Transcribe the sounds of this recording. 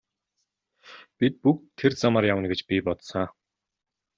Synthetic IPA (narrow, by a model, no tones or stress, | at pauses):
pʲit̪̚puk̪̚ʰːert͡samarjawənɡet͡ɕpʲipɔt̪sa